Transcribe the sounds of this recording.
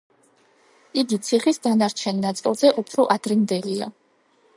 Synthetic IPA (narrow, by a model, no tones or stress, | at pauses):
iɡit̪sʰiχisd̪anaɾt͡ʃʰɛninat̪sʼilˠz̥ɛʔupʰɾɔʔad̪ɾind̪ɛlia̰